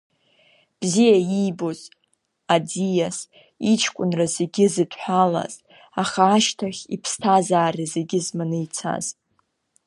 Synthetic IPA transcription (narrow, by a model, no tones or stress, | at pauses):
b̥zijajijbo̞z | ad͡zijas | it͡ʃʰkʷʼʊnrazeɡʲɪzɨdʼħʷᶣala̰z̥ | aχaːʃtʰaχʲipʰstʰazaːrizeɡʲɪzmanɨjt͡sʰa̰z̥